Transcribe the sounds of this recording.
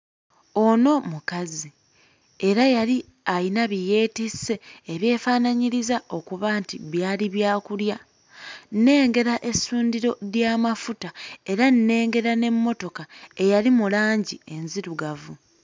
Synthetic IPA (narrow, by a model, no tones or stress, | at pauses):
o̞no̞mukazi | e̞ɾajali | ainaβije̞ːtise̞ːβje̞ːfaːnaɲiɾizao̞kuβaːntiβjaːliβjaːkulja | nne̞ːŋɡe̞ɾaʔe̞suːndiɾo̞ɾjaːmafutae̞ɾanːe̞ːŋɡe̞ɾane̞mːo̞to̞kae̞jalimulaːɲɟie̞nziɾuɡavu